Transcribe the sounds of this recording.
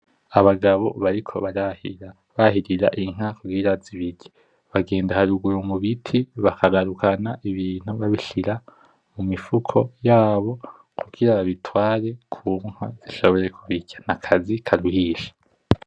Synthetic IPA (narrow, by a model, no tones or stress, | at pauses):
aβaɡaβo̞̰βaɾikʰo̞̰βaɾahia | βahiɾiɾa̰ʔiŋ̥hakuɡiɾaziβiɟe | βaɡe̞ːndahaɾuɡuɾomuβitʰiβakaɡaɾukʰanaʔiβiːn̥huβaβiʃiɾa | mumifukʰo̞jaːβo̞ | kʰuɡiɾaβaβitʰwaːɾe̞kʰuːŋ̥ha̰z̥iʃo̞βo̞ɾe̞kʰuβiɟḁnakʰazikʰaɾuhiːʃḁ